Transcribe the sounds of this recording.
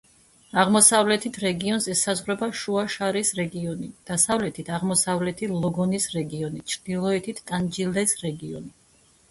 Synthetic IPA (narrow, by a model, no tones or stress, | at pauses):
aʁmɔsavlɛt̪ʰit̪ʰɾɛɡiɔnsɛsazʁɾɛbaʃuaʃaɾisɾɛɡiɔnid̪̥asavlɛt̪ʰit̪ʰaʁmɔsavlɛt̪ʰilˠɔɡɔnisɾɛɡiɔnit͡ʃʰɾd̪̥ilˠɔɛt̪ʰit̪ʰt̪ʼand͡ʒilɛsɾɛɡiɔ̰ni